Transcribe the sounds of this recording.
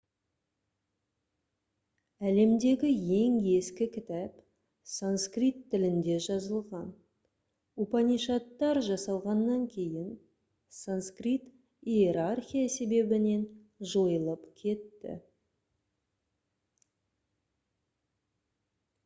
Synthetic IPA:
æle̞md̪e̞ɡʲɪje̞ŋe̞skʲɪkʲʰɪt̪æp | sanskrit̪ʰːɪlɪnd̪e̞ʒɑzəlˠʁɑn | upɑniʃɑt̪ːɑɾʒɑsɑlˠʁɑnːɑŋkʲʰe̞jɪn | sanskrit̪ | ieɾarxʲijase̞be̞bɪne̞n | ʒo̞jəlˠəpkʲʰe̞t̪ːɪ̰

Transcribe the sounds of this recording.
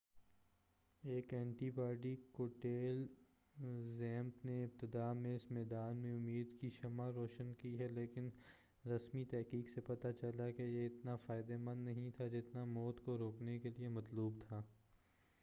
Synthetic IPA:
eːkɛ̃ːɳʈibaːɖikoːʈeːl | zɛ̃ːmpneɪb̚t̪ɪd̪aːmẽɪsmɛːd̪aːnmẽʊmːiːd̪kiʃɐmaɾɔːʃənkiɦɛleːkɪn | ɾɐsmit̪ɛɦkiːksepɐt̪at͡ʃɐlakejeɪt̪nafaːɪd̪emɐ̃nd̪nɐɦĩt̪ʰad͡ʒɪt̪namɔːt̪koɾoːknekeliemɐt̪luːbt̪ʰaː

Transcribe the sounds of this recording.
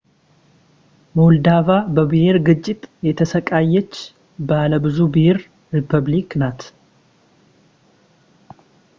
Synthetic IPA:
mold̪avabəbɨheɾɡɨt͡ʃʼːɪt̪ʼjɛt̪ʰəsəkʼajːɛt͡ʃː | bəaləbɨzubheɾ | ɾipʰəβliknat̪

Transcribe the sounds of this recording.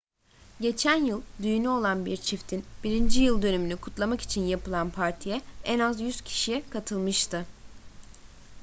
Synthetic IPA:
ɟe̞t͡ʃʰænjɯlˠd̪yjynyo̞lˠanbiɾt͡ʃʰift̪ʰinb̥iɾind͡ʒijɯlˠd̪ø̞nymynykʰut̪lˠamaki̥t͡ʃʰinjapʰɯlˠanpʰaɾt̪ʰijɛɛnazjyz̥cʰi̥ʃijɛkʰat̪ʰɯlˠmɯʃt̪ʰɯ

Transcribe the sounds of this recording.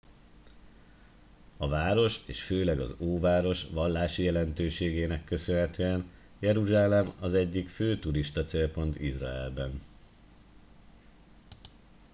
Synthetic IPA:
ɒvaːɾo̞ʃeːʃføːlɛɡɒ̰zoːvaːɾo̞ʃʋɒlːaːʃijɛlɛnt̪øːʃeːɡeːnɛkːø̞sønɦɛt̪øːɛn | jɛɾuʒaːlɛmɒzɛɟːikføːt̪uɾiʃt̪ɒt̪seːlpo̞n̪t̪iʒra̰ɛ̰lbɛn

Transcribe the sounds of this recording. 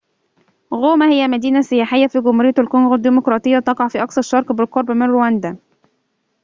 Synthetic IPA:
ɣoːmæhɪjːæmæd̪iːnæsːɪjaːħɪjːæfiɡʊmhuɾɪjæælkonɣod̪ːimʊkɾˤɑːt̪ˤɨjːat̪ɑqɑʕfiːʔɑksɑɾˤʃːɑɾˤqbɪlqoɾˤbmɪnɾowænd̪æ

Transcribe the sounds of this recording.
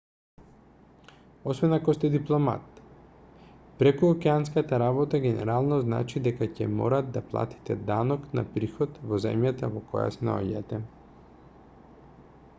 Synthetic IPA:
ɔsvɛnakɔst̪ɛd̪iplˠɔma̰t̪ | pɾɛkuɔkɛans̬kat̪aɾabɔt̪aɡʲɛnɛ̰ɾalˠnɔzna̰t͡ʃid̪ɛkacɛmɔ̰ɾad̪d̪aplˠa̰t̪i̥t̪ɛd̪anɔkna̰pɾixɔt̪vɔzɛ̰mjat̪a̰vɔkɔ̰ja̰sɛnaɔ̰ɟa̰t̪ɛ

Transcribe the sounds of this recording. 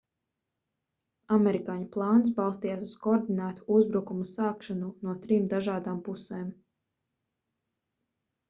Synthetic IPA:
amɛɾikaːɲuplˠɑːns̬bɑlˠst̪ijaːsuskoːɾd̪inæːt̪u̥uzbɾukumusaːkʃanunuɔt̪ɾiːmd̪aʒaːd̪aːmpusɛːm

